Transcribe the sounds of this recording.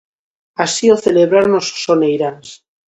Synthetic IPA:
asioθeleβɾaɾnoso̥sonejɾans

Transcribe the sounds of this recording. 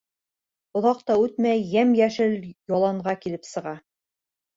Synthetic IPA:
ŏðɑq̚t̪ɑʉt̪mæjːæmjæʃɘljɑlˠɑɴʁɑkilɘpsɤ̆ʁɑ

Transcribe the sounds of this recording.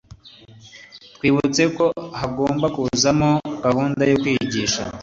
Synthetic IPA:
twiːβut͡se̞ko̞haɡo̞ːmbakuzamo̞ɡ̥ahuːndajokwiːɟiːʃa̰

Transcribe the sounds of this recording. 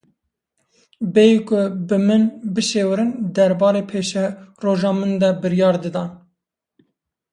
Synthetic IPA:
bejikʰʊbɨmɨnbɨʃeːwɾɨnd̪ɛɾbɑːɾeːpʰeːʃɛroːʒɑːmɨnd̪ɛbɨɾjɑːɾd̪ɨd̪ɑːn

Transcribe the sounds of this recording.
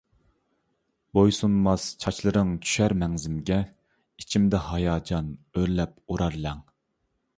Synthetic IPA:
bojsunmɑst͡ʃʰɑt͡ʃlˠɨɾɨŋt͡ʃʰy̥ʃæɾmɛŋzɪmɡʲɛ | it͡ʃʰimd̪ɛhɑjɑːd͡ʒɑnøɾlɛp̚uɾɑɾlɛŋ

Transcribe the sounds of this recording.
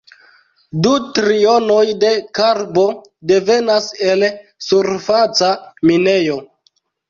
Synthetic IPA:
dutɾiono̞jde̞kaɾbo̞ | de̞ve̞nase̞lsuɾfat͡saminejo̞

